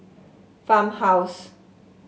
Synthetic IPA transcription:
famhaws

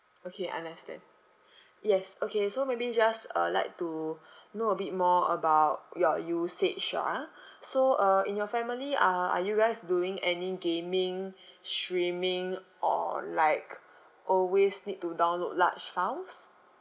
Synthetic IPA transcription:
okʰeʔã̰ndəstɛ̰̃nd | jɛsokesomebid͡ʒasə̰la̰ɪk̚tunoəbit̚mɔə̰baʊt̚jɔjusetʃɔ̰asoʔʌĩnjɔfɛmiliaa̰juɡaɪsduĩŋɛniɡẽmĩŋstɹĩmɪ̃ŋʔɔ̰laɪk | ʔɔlwesnit̚tːudãʊ̃nlo̰dla̰t͡ʃfaʊs

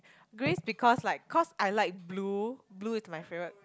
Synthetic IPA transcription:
ɡɹesbikʰɔslaɪkʰːɔsajlaɪk̚blubluismajfɹẽwək̚

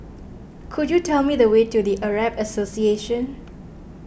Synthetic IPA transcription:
kʰudjutʰɛlmidəwetudiʔəɹabəsosieʃə̃n

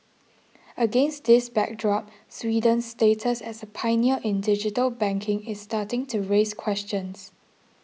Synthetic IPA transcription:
əɡẽnstd̪ɪsbɛ̰k̚dɹɔp̚ | swiːdə̃nstetʰəsɛsəpʰãɪniəʔɪ̃ndɪd͡ʒɪtəlbɛ̃ŋkʰɪ̃ŋɪsːtatɪ̃ŋtʰuɹeskʰw̥ɛst͡ʃə̃ns

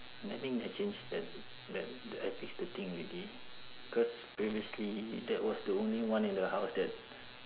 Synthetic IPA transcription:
natĩŋɛt͡ʃẽnd͡ʒdɛt̚ | dɛt̚daɪfiksdət̪ĩŋɹili | bikɔs | pɹiviəslidɛt̚wɔsdəõnliwãnĩndəhaʊsdɛt̚

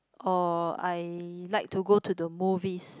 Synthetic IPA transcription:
ʔɔa̰jlaɪk̚tʰuɡotʰudəmuvis

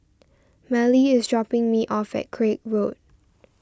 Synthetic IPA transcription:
mɛliɪsdɹɔpɪ̃ŋmiʔɔfɛ̰t̚kʰɹek̚ɹot̚

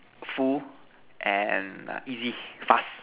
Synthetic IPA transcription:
fu | ʔɛ̃n̰izifas

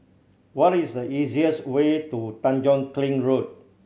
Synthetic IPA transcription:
wɔɾisdəiziəswetutãnd͡ʒɔ̃nklĩŋɹot̚

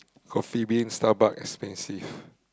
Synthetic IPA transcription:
kʰɔfibiĩŋstabakɛ̰kspɛ̃nsiv

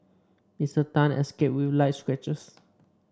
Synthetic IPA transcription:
misətãnɛ̰skep̚wivlajtswɛt͡ʃəs

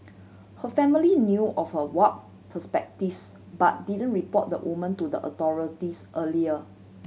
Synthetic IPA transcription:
həfɛ̃milinjuʔɔfhəwɔt̚ | pʰəspɛk̚tif | bat̚didə̃nɹipɔt̚də̰wʔṵmə̃ntudəʔɔ̰tɔɹitisʔəliə

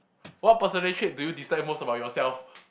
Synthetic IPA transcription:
wɔt̚pəsənɛʃet̚dujudistaɪt̚mosəbaʊt̚jɔsɛlf

